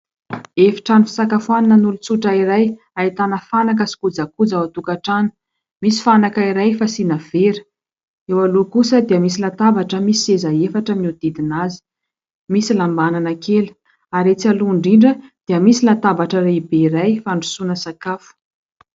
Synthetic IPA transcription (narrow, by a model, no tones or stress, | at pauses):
efi̥ʈ͡ʂanifi̥sakafwaninənulut͡suʈ͡ʂaiɾaj | ait̪anəfanak̬əsi̥kud͡zakud͡zawat̪ukaʈ͡ʂani̥ | misi̥fanakaiɾajfasinəv̥eɾə̥ | ewalukusəd̪iəmisilat̪abaʈ͡ʂəmisezaefaʈ͡ʂəmiud̪̥id̪inazi̥ | misilambananəkelu̥ | aɾet͡saluuɳɖ͡ʐiɳɖ͡ʐəd̪̥iəmisilat̪abaʈ͡ʂəɾeibeiɾajfaɳɖ͡ʐusunəsakafu̥